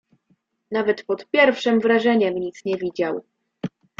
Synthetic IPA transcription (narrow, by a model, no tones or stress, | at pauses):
navɛt̪pɔt̪pʲjɛɾfʂɘmvɾaʐɛɲɛmɲit̪sɲɛvʲid͡ʑaw